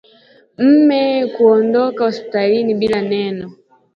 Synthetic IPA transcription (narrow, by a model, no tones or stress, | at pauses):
m̩mɛkuɔndɔkahospi̥talinibilanɛnɔ